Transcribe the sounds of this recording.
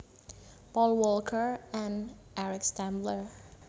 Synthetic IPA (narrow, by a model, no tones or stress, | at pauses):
pɔlˠwɔlˠkʰə˞æ̃n | ʔæɹɪkstæ̃mblə˞